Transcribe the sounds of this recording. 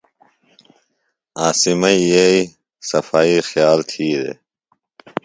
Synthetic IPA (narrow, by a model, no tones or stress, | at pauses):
aːsimɐijei | sɐfaːixjaːlt̪ʰiːd̪ḛ